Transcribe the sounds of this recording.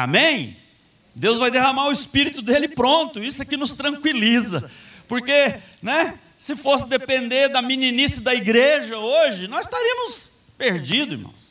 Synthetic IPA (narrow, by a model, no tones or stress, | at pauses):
a̰mẽj̃ | d̪ewzvajd̪eɦɐ̃maɾʊɪspiɾit̪ʊd̪elɪpɾõnt̪ʊisʊɛkɪnʊst̪ɾɐ̃ŋkwilizɐpoɾke | nɛ | sɪfosɪd̪epẽnd̪eɾd̪ɐmĩninisɐd̪ɐiɡɾeʒɐoʒɪnɔzɪst̪aɾiɐ̃mʊs | peɾd͡ʒid̪ʊḭɾmɐ̰̃w̃s